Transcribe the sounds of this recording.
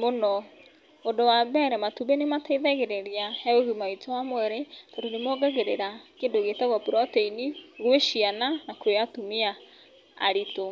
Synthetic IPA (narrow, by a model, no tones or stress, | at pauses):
monɔ | odowabɛɾɛmatuβenemataiðɛɣeɾeɾiahɛoɣimaitɔwamwɛɾetoɾonemɔɡaɣeɾeɾakendoɣetaɣɔpuɾɔtɛiniɣweʃiananakweatumia | a̰ɾito